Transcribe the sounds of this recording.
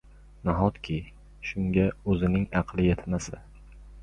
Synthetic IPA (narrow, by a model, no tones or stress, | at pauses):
naɦɒt̪kʲʰɪ | ʃʊŋɡʲaɵzɪnɪŋɑqʰlˠɪjet̪ʰɪmasɪ